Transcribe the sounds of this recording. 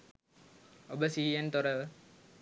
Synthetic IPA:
obəsiɦijent̪oɾəʋ

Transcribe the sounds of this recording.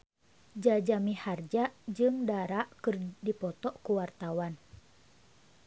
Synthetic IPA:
d͡ʒad͡ʒamihard͡ʒad͡ʒɨŋdaɾaʔkɨrdipɔt̪ɔʔkuwart̪awan

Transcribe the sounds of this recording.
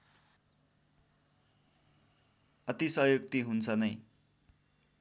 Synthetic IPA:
ʌt̪isʌɦjok̚t̪iɦunt͡sʰʌnʌj

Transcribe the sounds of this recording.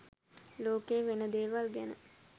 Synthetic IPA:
loːkeːʋenəd̪eːʋalɡænə̰

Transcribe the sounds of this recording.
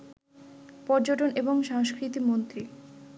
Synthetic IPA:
pɔɾd͡ʑoʈoneboŋʃaŋʃkɾit̪imont̪ɾi

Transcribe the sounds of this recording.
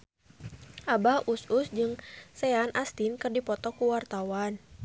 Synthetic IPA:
ʔabahususd͡ʒɨŋsɛanʔast̪inkɨrdipɔt̪ɔkuwart̪awan

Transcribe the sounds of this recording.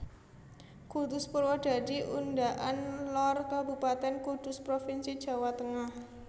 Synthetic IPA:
kurd̪̥ʊspuɾwɔd̥a̤diʔundaʔanlɔrkabupat̪ɛnkud̪̥ʊspɾofinsid̥ʒ̥ä̤wat̪əŋah

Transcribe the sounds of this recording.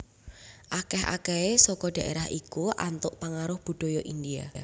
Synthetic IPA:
ʔakɛɦa̰kɛesɔkɔɖ̥ä̤ʔeɾahikuʔa̰nt̪ʊʔpaŋaɾʊhb̥ṳd̥ɔ̤jɔʔind̪ia̰

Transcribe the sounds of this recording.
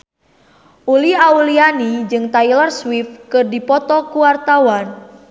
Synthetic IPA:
ʔuliaulianid͡ʒɨŋt̪ailɔrswifkɨrdipɔt̪ɔkuwart̪awan

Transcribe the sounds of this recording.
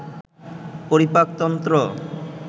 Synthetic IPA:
poɾipak̚t̪ɔnt̪ɾo

